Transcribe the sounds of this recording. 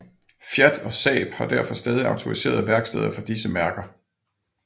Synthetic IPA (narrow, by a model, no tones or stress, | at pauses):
fjæd̥ɒ̽sɛ̰ːb̥hɑ̈d̥æɐ̰fɒ̽sd̥ɛːð̞ˠiɑ̈ʊt͡sʰo̝ʁise̝̰ːɐðˠʋæɐɡ̥sd̥ḛːð̞̰ˠɐfɒ̽d̥isəmæɐɡ̥ɐ